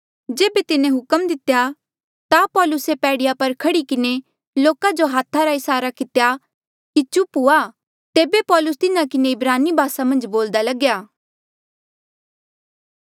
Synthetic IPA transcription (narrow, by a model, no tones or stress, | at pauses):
d͡ʒeːbet̪ɪnẽɦʊkəmd̪ɪt̪ja | t̪apɔːlʊsepɛːɽɪjapɐɾkʰɐɽikɪne | loːkad͡ʒoɦaːt̪ʰːaɾaɪsaːɾakɪt̪ja | kit͡ʃʊpɦua | t̪eːbepɔːlʊst̪ɪnãkɪneɪbɾaːnibʱaːsamɐ̃nd͡ʒboːld̪alɐɡjaː